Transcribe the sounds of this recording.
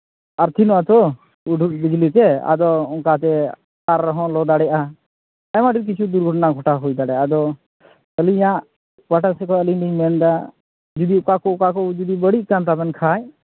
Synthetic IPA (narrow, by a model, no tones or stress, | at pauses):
aɾt̪ʰinɔat̪ɔ | uʈubid͡ʒlit̪ɛa̰d̪ɔɔŋkat̪ɛ | aɾːɔɦɔ̃lɔd̪aɽɛjʔa | ɛmaɖiɾk̬it͡ʃʰud̪uɾɡʱɔʈnaɡʱɔʈaɦujd̪aɽɛjaad̪ɔ | əlijãʔ | pəʈasɛkɔəliɖimɛnd̪a | d͡ʒud̪ikakɔkakɔd͡ʒud̪ibəɽiʔkamt̪abɛnkʰaj